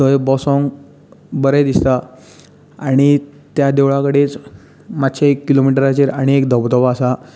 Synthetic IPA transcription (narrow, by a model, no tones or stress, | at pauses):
əjbɔsɔ̃ŋ | bəɾed̪ist̪a | aɽ̃it̪jad̪eʋɭakəɽet͡s | mat̪ːɕʰaekːilomiʈəɾat͡ɕeɾaɽ̃iekd̪əbd̪əʋaasa